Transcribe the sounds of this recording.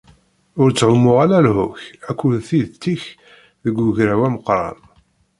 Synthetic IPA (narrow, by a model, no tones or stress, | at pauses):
ʊɾt͡sːʕʊmːʊʁalælhʊçækʷːulθiðt̪ːiç | ðəɡʷːʊʝɾæwæməqɾˤɑ̰n